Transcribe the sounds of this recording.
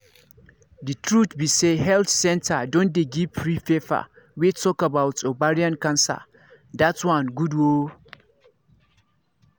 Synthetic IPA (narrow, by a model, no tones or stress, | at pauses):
ditʰɹutbisehɛlθsɛ̃ntʰadɔ̃ndeɡipɹifefa̰ | witʰɔkabawtobaɹiãnkãnsa̰ | datwãnɡudwo